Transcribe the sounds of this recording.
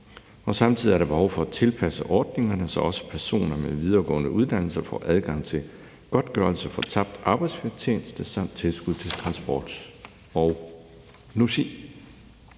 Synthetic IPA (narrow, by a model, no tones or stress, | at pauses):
ɒ̽sɑ̈mt͡sʰið̰ˠiæɐɾ̥ɑb̥ehɒʊfɒ̽æt͡sʰe̝lpʰæsəʔɒːd̥̚ne̝ŋɐnəsɒ̽ɒ̽sə̥pʰæɐso̝̰ːnɐmeʋið̞ˠɐːɡ̥ɔ̰̽ːənəʔuð̞ˠd̥æn̰l̩sɐfɒ̰ːʔæð̞ˠɡ̥ɑ̈ŋ̰t͡sʰe̝ | ɡ̥ɒ̽d̥ɡ̥ɶɐl̩səfɒ̽t͡sʰɑ̈b̥̚d̥ɑ̈ːb̥ɑɪd̥sfit͡sʰeːnsd̥əsɑ̈m̰d̥̚t͡sʰe̝lsɡ̥uðˠt͡sʰe̝lt͡sʰʁɑ̈nsb̥ɒ̰ːd̥ | ɒʊ | nuɕḭː